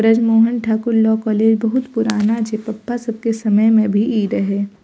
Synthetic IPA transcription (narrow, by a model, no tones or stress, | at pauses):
ɾəd͡ʒmoːɦənʈʰaːkʊɾlɔːkɔːleːd͡ʒbɐɦʊt̪pʊɾaːnad͡ʒepɐpːasɐb̚kesɐməjmẽbʱiʔiːd̪ɦɛː